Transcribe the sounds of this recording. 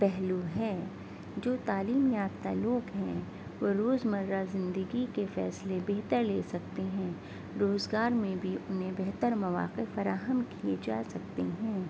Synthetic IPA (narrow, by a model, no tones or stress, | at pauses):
pɛɦluɦɛ | d͡ʒoːt̪aːliːmjaːft̪aloːɡɦɛ̃ | ʋoɾoːzmɐɾːazɪ̃nd̪əɡikefɛ̰ːslebeɦt̪əɾleːsɐk̚t̪eɦɛ̃ | ɾoːzɡaːɾmẽbʱiʔʊnɦẽbɛɦt̪əɾmɐʋa̰ːqefɐɾaːɦəmkied͡ʒaːsɐk̚t̪eɦɛ̃ː